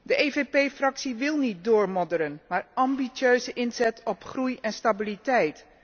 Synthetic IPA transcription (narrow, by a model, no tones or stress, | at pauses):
dəʔevepejfrɑksiʋɪlˠnit̚dʊːɹmɔdəɾənmaːɹɑmbit͡ʃøɥzəʔɪnzɛtʰɔpχrujɛnstabilitɛjt